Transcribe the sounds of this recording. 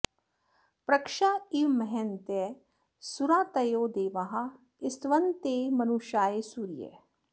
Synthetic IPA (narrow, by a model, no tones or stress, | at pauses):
pɾɐkʃaːiʋmɐɦɛnt̪e | suɾãːt̪ɐjoːd̪eːʋɐɦɐ | ɪst̪ʋɐnt̪eːmɐnuʃaːesuːɾijḛ